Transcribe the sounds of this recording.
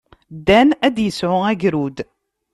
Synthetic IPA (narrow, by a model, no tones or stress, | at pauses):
d̪ːænæd̪jəsʕʊæɡɾud̪